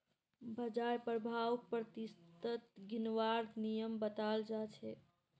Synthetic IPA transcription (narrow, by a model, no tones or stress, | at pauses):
bəd͡ʒaɾpɾəbʱawpɾət̪ist̪ət̪ɡinʋaɾnijəmbət̪ald͡ʒat͡ʃʰɛ